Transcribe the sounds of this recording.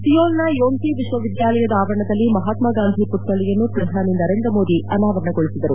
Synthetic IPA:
t̪ijoːlnajoːnt̪iʋiʃʋɐʋid̪jaːlɐjɐd̪ɐaːʋɐɾɐɳɐd̪ɐlːimɐɦaːt̪mɐɡaːnd̪ʱipuʈːɐɭɛjɐnːupɾɐd̪ʱaːninɐɾe̞ːnd̪ɾɐmo̞ːd̪iʔɐnaːʋɐɾɐɳɐɡoɭisid̪ɐɾṵ

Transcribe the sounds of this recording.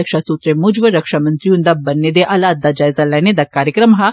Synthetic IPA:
ɐkʃasuːt̪ɾemud͡ʒʋəɾɐkʃamɐ̃nt̪ɾijũnd̪abɐnːed̪eʔɐlaːt̪̚d̪ad͡ʒaːɪzalɛːned̪akaːɾjəkɾəmɦa

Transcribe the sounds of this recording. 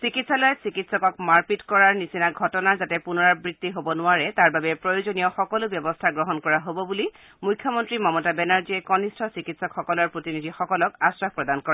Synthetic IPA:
sikitsalɔjɔsikitsɔkɔkmaɹpitkɔɹaɹnisinaɡʱɔtɔnaɹzatɛpunɔɹaɹbɹitːiɦobɔnʊaɹɛtaɹbabɛpɹojozonijɔxɔkɔlʊbjɔbɔstʰaɡɹɔɦɔnkɔɹaɦobɔbuli | mujkʰjɔmɔntɹimɔmɔtabɛnaɹziɛkɔnistʰɔsikitsɔkxɔkɔlɔɹpɹotinid̪ʱixɔkɔlɔkasɹapɹɔdankɔɹɛ

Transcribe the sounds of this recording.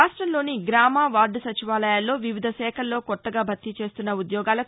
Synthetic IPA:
aːʂʈɾɐmlo̞ːniɡɾaːmaːʋaːɾɖusɐt͡ʃiʋaːlɐjaːlːo̞ːʋiʋid̪ʱɐsɛːkʰɐlːo̞ːkɔt̪ːɐɡaːbʱɐt̪ːit͡ʃe̞ːst̪unːɐud̪jɔːɡaːlɐ

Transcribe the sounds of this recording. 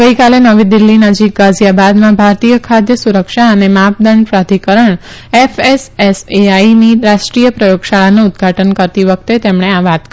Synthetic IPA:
ɡəikalenəʋid̪ɪlːinəd͡ʒik̚ɡad͡ʒjabad̪mãbʱaɾt̪ijəkʰad̪jəsuɾəkʃaənemap̚d̪əɳɖpɾad̪ʱikəɾəɳ | efeseseainiɾaʃʈɾijəpɾəjoɡʃaɭanuʊd̪ɡʱaʈʰənkəɾt̪iʋək̚ʰt̪et̪emɳ̃eaʋat̪

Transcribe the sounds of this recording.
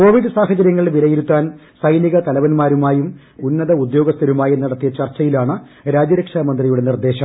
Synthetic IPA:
ko̞ːʋiɖɨsaːɦɐt͡ɕɐɾjɐŋːɐɭʋiɾɐjiɾut̪ːaːnsɐjniɣɐt̪ɐlɐʋɐnmaːɾumaːjum | unːɐðɐud̪jo̞ːɡɐst̪ɐɾumaːjenːɐɽɐt̪ːijɐt͡ɕɐrt͡ɕːɐjilaːɳɨ | ɾaːd͡ʑɐɾɐkʂaːmɐnd̪rijuɽenird̪e̞ːɕɐm

